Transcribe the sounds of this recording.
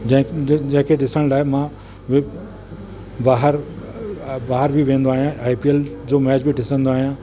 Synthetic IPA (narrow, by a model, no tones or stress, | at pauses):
d͡ʑɦd͡ʑɐ̃ɦɪ̃kʰeɖɪsəɽ̃laːɦemã | ʋ | baːɦəɾ | baːɦəɾbʱiʋẽːnd̪oaːɦijãaːipield͡ʑoːmɛːd͡ʑbʱiʈɪsə̃nd̪oaːɦijãː